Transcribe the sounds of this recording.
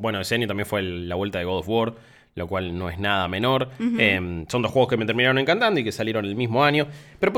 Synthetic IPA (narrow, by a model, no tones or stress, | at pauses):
bwe̞noeseanɲjoambje̞nfweːaβwelt̪aðeɣolfwoɾ | lokwalno̞eznaðameno̞ɾemsond̪oxweɣoskemet̪eɾminaɾone̞ŋkant̪and̪oikesaljeɾo̞nelmizmo̞anjo̞peɾo̞p